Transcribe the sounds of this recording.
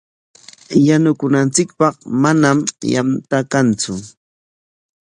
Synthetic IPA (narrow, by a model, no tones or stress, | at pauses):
janʊkʊnant͡sɪkpɑχmanamja̰nt̪akant͡sʊ